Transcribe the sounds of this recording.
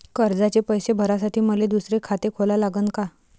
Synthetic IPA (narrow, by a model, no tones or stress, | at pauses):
kəɾd͡zat͡ɕepəjsebʱəɾasaʈʰiːməled̪usɾekʰat̪ekʰolalaɡənka